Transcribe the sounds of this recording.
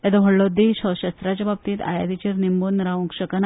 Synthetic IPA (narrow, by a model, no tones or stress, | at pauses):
et̪ɔɦəɽɭod̪eɕəɕəst̪ɾat͡ɕabab̚t̪iːt̪a̰jad̪it͡ɕeɾnimbonɾaʋũŋkɕəkan